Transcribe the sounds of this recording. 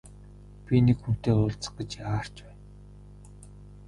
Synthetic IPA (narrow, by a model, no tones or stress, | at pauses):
pʲinekxun̥t̪eːʊɮt͡sə̥̆χ̚ɡə̆t͡ɕaːr̥t͡ɕpæːn